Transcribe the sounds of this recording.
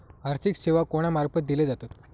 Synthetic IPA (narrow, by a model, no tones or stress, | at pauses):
aɾt̪ikseʋakoɽ̃amaɾpət̪̚d̪iled͡zat̪ot̪